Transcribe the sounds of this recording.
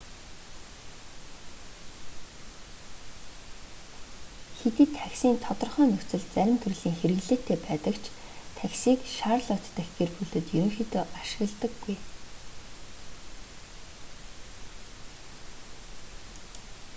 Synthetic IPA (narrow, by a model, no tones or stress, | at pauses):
xet̪iːt̪ʰːæksiːnt̪ʰɔt̪ɞ̆rχœːnɵxt͡sɘ̆ɮt͡sæɾʲɪ̆mt̪ʰɵrɮiːŋxeɾɘ̆ɣɮeːt̪ːeːpæːt̪ə̆kt͡ɕʰt̪ʰæksiːkʃaːrɮʊt̪ːə̆xɡerpuɮɘ̆t̪jɵɾɵ̆ŋxit̪oːʔaʃɪ̥̆ɣə̆ɮt̪ə̆ɡːuj